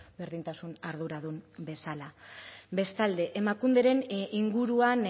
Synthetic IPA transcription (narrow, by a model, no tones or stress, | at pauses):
beɾðint̪asunaɾðuɾaðumbe̞salaβe̞st̪ald̪e̞ʔemakund̪e̞ɾe̞niŋɡuɾuan